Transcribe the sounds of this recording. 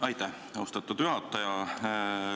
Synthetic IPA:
ɑjt̪æh | o̞st̪ɑt̪ːud̪̥yɦɑt̪ːˑɑjɑ

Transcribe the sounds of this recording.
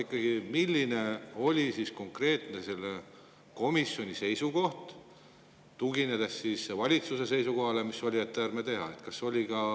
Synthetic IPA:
ikːˑɑɡ̥imilʲːine̞o̞lʲisisko̞ŋkre̞ːt̪ne̞se̞lːe | ko̞misjo̞nʲise̞jsuko̞ht̪ | t̪uɡine̞d̪̥esːiːsevɑlʲit̪suse̞se̞jsuko̞ɦɑle̞misːo̞lʲiet̪ːeærmet̪e̞ɦɑ̰e̞t̪kɑsːo̞lʲikɑ

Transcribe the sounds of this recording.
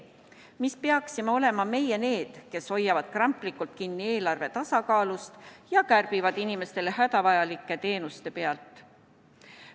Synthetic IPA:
mispe̞ɑksime̞o̞le̞mɑme̞je̞ne̞ːd̪̥ke̞sho̞jːɑvɑd̪̥̚krɑmpˑlikːˑult̪̚kinːie̞ːlɑrve̞t̪ɑsɑkɑːlust̪jɑkærb̥ivɑd̪inime̞st̪e̞le̞hæt̪ɑvɑjɑlikˑːe̞t̪e̞ːnust̪e̞peɑlt̪ːˑ

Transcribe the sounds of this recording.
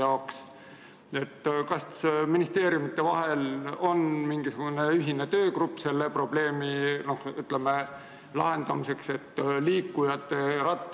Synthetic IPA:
ɑoks | e̞t̪ːkɑssminist̪e̞ːɾjumit̪ːˑe̞vɑɦe̞lo̞nmiŋɡ̥isuɡ̥une̞yɦine̞t̪ø̞ːkrupːˑse̞lːe̞pro̞b̥le̞ːmino̞hyt̪ˑleme | lɑ̰ɦe̞nd̪̥ɑmise̞kse̞t̪ːliːkːujɑt̪ːe̞rɑt̪ː

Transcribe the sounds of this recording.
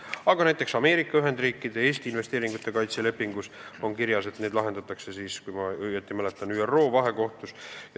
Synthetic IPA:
ɑɡ̥ɑnæjt̪ːˑe̞ksɑme̞ːɾikːˑɑyɦe̞nd̪riːkːˑid̪̥e̞e̞ːst̪iːnve̞st̪e̞ːɾiŋɡ̥ut̪ːˑe̞kɑjt̪sele̞pːiŋɡ̥uso̞nkiɾjɑse̞t̪ne̞ːd̪lɑɦe̞nd̪̥ɑt̪ːˑɑkse̞siːskujmɑjet̪ːimælet̪ːˑɑnyːero̞ːvɑɦe̞ko̞ht̪us

